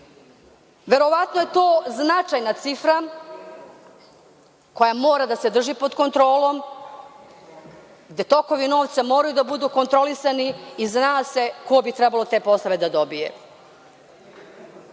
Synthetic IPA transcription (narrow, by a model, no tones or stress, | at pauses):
ʋe̞ɾo̞ʋat̪noje̞t̪oːznat͡ʂajnat̪sifɾa | ko̞jamo̞ːɾad̪ased̪r̩ʒipod̪ko̞nt̪ɾo̞ːlˠo̞m | ɡd̪e̞t̪o̞ko̞ʋino̞ːʋt̪samo̞ːɾajud̪abud̪uːko̞nt̪ɾo̞lisaniiznaːse̞kobit̪ɾɛbalot̪e̞ːpo̞saʋe̞d̪ad̪o̞bijḛ